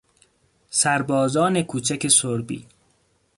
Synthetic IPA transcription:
sæɾbɒːzɒːne̞kʰuːt͡ʃʰæke̞soɾbḭː

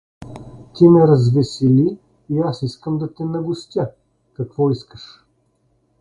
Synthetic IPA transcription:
t̪imɛɾɐzvɛsiliː | asiskəmd̪ɐt̪ɛnɐɡʊst̪ʲjə | kɐkvɔiskəʃ

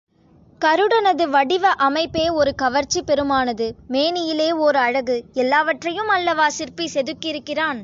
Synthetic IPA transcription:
kɐɾɯɽɐnɐðɯʋɐɽɪʋɐʔɐmɐɪpːeːɔɾɯkɐʋɐɾt͡ʃːipɛɾɯmaːnɐðɯmeːnɪjɪleːɔɾɯɐɻɐɣɯɛlːaːʋɐʈrɐjɯmɐlːɐʋaːsɪɾpisɛðɯkːɪɾɯkːɪraːn

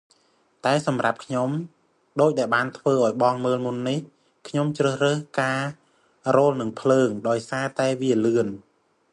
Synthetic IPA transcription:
t̪aɛsɑmra̰p̚kʰɲom | ɗoːc̚ɗaɛlɓaːnt̪ʰʋəːʔaɔjɓɑŋməːlmunːih | kʰɲomt͡ɕrəːhrəhkaː | roːlnɨŋpʰləːŋɗaɔjsaːt̪aɛʋiəlɨən

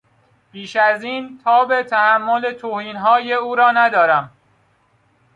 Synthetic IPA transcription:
piːʃæziːnt̪ʰɒːbe̞t̪ʰæhæmːo̞let̪ʰoːhiːnɦɒːje̞uːɾɒːnæd̪ɒːɾæm

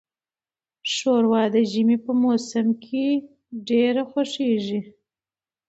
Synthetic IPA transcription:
ʃoɾwɑd̪əʒəmepəmosəmkʰe | ɖeɾaxaʂeʒi

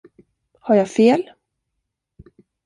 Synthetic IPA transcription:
haɾjafeːl

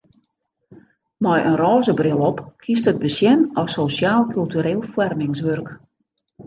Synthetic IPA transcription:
mɔjʔənrɔːzəbrɪlˠɔpkʰistəd̚bəsjɛnɔsosjaːlˠkʰylˠtyɾeːlˠfwɛrmɪŋs̬ʋørk

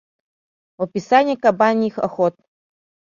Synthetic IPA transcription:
ɔpʲisanʲikabanʲixɐxɔt̪̚

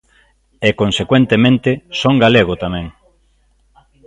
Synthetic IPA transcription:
ekonsekwẽnt̪emẽnt̪ɪsoŋɡaleɣ̞ʊt̪amɛ̃ŋ

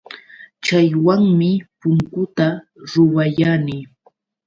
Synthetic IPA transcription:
t͡ʃajwaŋmɪpʊŋkʊt̪a | ɾʊwajaniː

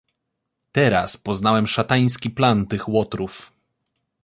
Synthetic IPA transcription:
t̪ɛɾaspɔznawɛmʂat̪aj̃skʲiplant̪ɘxwɔt̪ɾuf

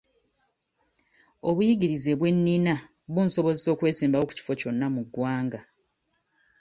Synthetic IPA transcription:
o̞βujiɡiɾize̞βwe̞nːiːna | βunso̞βo̞zeso̞ːkwe̞ːsiːmbawo̞ku̥ci̥fo̞co̞nːamuɡːwaːŋɡa

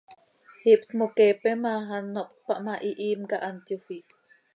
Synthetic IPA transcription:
hipt̪mokepɛmaɦanːɔʔp̚paʔmaʔiʔimkaʔant̪jufiʔ

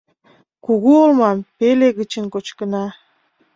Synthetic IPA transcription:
kuɣuolˠmɑmpelʲeɡɯt͡ʃɨŋkot͡ʃkɯ̆nɑ

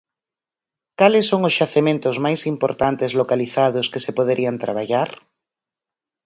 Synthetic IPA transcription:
kalesːoŋozʝaθemẽnt̪ʊzmajsimpoɾt̪ant̪ezlokaliθaðʊskesepoðeɾʔiant̪ɾaβ̞aʎaɾ

